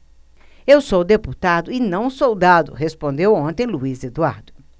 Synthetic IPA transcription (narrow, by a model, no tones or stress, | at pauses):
ewsowd̪eput̪ad̪ʊɪnɐ̃w̃sowd̪ad̪ʊ̰ɦespõnd̪ewõnt̪ẽj̃luized̪ua̰ɾd̪ʊ